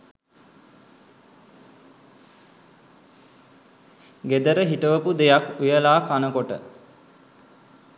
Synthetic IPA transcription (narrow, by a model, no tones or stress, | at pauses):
ɡed̪əɾəɦiʈəʋəpud̪ejakujəlaːkanəkoʈə̰